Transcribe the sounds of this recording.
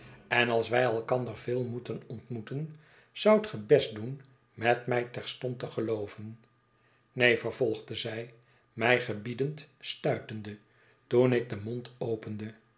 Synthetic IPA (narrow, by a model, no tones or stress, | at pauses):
ɛnɑlˠsʋɛjɛlˠkɑnd̪ərvɪːlˠmutənɔntmutən | z̥ʌwtχəbɛsdun | mɛtmɛjtɛɹstɔntəχəlowvən | nejfəɹvɔlˠχdəzɛj | mɛjχəbidəntstœɥtəndə | tunɪk̚dəmontowpəndə